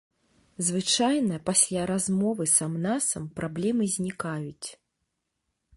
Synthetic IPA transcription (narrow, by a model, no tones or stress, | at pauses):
zvɨt͡ʂajnɐpasʲlʲaɾazmɔvɨsamnasɐmpɾablʲɛmɨzʲnʲikajut͡sʲ